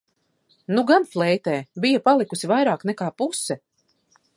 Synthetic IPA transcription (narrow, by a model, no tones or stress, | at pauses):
nuɡanflˠɛjt̪ɛːbijɐpalˠikusivajɾaːknɛkaːpusːɛ